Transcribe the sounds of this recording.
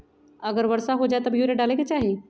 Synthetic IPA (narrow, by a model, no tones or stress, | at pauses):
əɡəɾʋəɾsaɦod͡ʑajt̪əbʱjuɾeɖaleket͡ɕaɦi